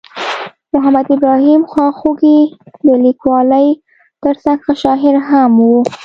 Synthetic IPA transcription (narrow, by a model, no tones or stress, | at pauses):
mʊɦamad̪ɪbɾɑɦimxɑxoɡid̪əlikwɑləj | t̪əɾsaŋɡxaʃɑɦɪɾɦamwu